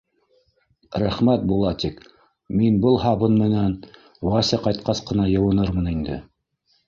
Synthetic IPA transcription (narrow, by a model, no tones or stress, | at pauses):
ɾæχmæt̪̚bulˠɑt̪ik | minbɤlˠɦɑβɤnmɘ̆næn | wɑsʲɑqɑjt̪̚qɑsqɤ̆nɑjɤ̆wɤ̆nɤɾmɤnind̪ɘ̰